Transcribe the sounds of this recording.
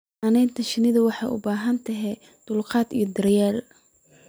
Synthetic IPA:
ɐnɛːnt̪ʰɐʃɪnɪðɐwɑħɑjʔʊ̰baːɦɐnt̪ʰɐɦɛ | d̪̥ʊlqɑːd̪ḭjɔd̪ɐɾjaːl

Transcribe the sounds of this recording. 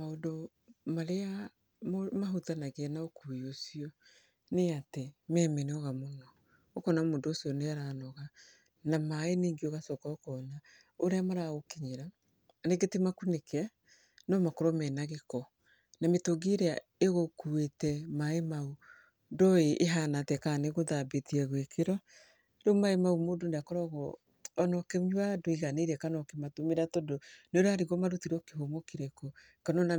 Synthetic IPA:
maodo | maɾea | mmaɦutanaɣenaokujosiɔ | neatemɛːmɛnɔɣamonɔː | kɔnamoːndoːsiɔneaɾanɔɣa | namaeneːŋɡioɣasɔkɔːkɔna | oɾeamaɾaɣokiɲeɾa | neɡetimakunekʰɛ | nɔmakoɾɔmɛnaɣekɔ | nametoɡeɾea | eɣokuetɛmaemau | ndɔeʔeɦanatɛkaneɣoðabetiɛɣwekeɾɔ | domaemaumodondakɔɾɔɣɔ | ɔnɔkemwadoiɣaneɾɛkanɔkematomeɾatɔdonoɾaɾiɣɔmaɾotiɾokeɦomokeɾekɔ | kanɔna

